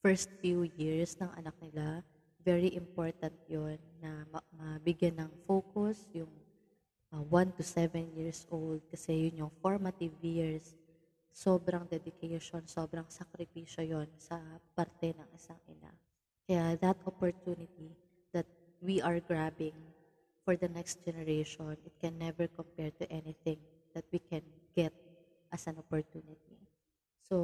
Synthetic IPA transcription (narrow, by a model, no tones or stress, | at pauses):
fɛɹst̪̚fjujiɹsnɐŋʔɐ̰nɐk̚nɪla | vɛɹiʔɪmpoɹt̪ɐnt̪̚jonːɐmɐmɐbɪɡjanɐŋfoːkʊsjʊŋ | ɐwant̪ʊsɛvɛnjiɹsʔold̪̚kɐsɛjʊnjʊŋfoɹmɐt̪ɪvjiɹsː | oːbɾɐŋd̪ɛd̪ɪkʰɛʃonso̞ːbɾɐŋsɐkɾɪpiːʃojonsɐpɐɾt̪ɛnɐŋʔɪsaŋʔɪ̰na̰ | kɐjaðɐt̪ʔɔpɔɹt̪unɪt̪̚i | d̪̥ɐt̪̚ | wiʔɐɹɡɹabɪ̃ŋ | fɔɹd̪ɐnɛkst̪̚d͡ʒɛnɛɹeʃonɪt̪̚kɛnːɛvɛɹkɔmpɛɹt̪ʊʔɛnɪθɪ̃ŋ | d̪̥ɐt̪̚wikɛnɡ̥ɛt̪̚ | ʔɐsɐnopɔɹt̪unɪt̪̚i | so